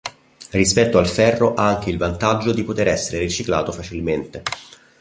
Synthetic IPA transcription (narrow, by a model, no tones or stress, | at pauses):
rispɛt̪ːoalfɛrːoʔaaŋk̟eilvant̪ad͡ʒːod̪ipot̪eɾɛsːeɾerit͡ʃikla̰ːt̪ofat͡ʃilment̪e